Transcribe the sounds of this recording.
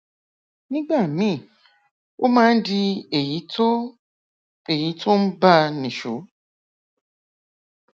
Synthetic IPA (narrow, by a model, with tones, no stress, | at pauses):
nĩ˦ɡ͡ba˦˨mĩ˦˨ | o˦mãː˦n̩˦dɪ˧e˨˦ | e˨ji˨˦tʰo˦n̩˦ba˦˧nĩ˨ʃo˨˦